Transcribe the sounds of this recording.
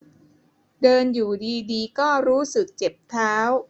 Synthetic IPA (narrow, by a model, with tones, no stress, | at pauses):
dɤː˧njuː˨˩diː˧diː˧kɔː˥˩ɾuː˦˥sɯ˨˩k̚t͡ɕe˨˩p̚t̪ʰaː˦˥w